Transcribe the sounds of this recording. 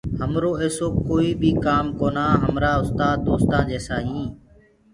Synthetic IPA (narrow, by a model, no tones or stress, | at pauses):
həmɾoːeːsoːkoːiːbʱiːkaːmkoːnaːɦəmɾaːʊst̪aːd̪oːst̪ãːd͡ʒeːsaːɦĩː